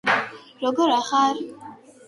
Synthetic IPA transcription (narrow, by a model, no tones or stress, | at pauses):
ɾɔɡɔɾaxaɾ